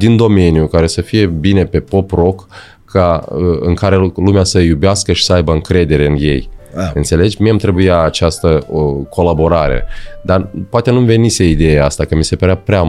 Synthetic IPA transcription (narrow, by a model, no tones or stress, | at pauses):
d̪ind̪o̞me̞nijukaɾe̞səfije̞bine̞pe̞po̞pro̞k | kːaəɨŋkaɾe̞lumeasəjubeaskəʃi̥səajbəɨŋkɾe̞d̪e̞ɾe̞ɨnje̞̰jɨnt̪se̞le̞d͡ʒmieamt̪ɾe̞bujaːt͡ʃast̪əokʰo̞labo̞ɾaɾḛd̪apoat̪e̞numve̞niseid̪ejeast̪akəmise̞pəɾeapɾea